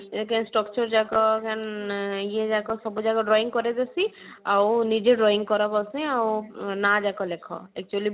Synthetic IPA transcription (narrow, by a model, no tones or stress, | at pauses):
eekansʈɾɔkt͡ʃɔɾd͡ʒakɔkanijed͡ʒakɔsɔbud͡ʒaɡɔɖɾɔiŋkɔɾɛd̪esiawnid͡ʒeɖɾɔiŋkɔɾɔbɔsũawnad͡ʒakɔlekʰɔ̰ɛk̚t͡ʃuali